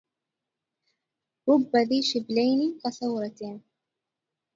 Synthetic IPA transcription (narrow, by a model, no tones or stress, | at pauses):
ɾˤʊbːaðiːʃɪblajniːkaθawɾˤɑt̪ː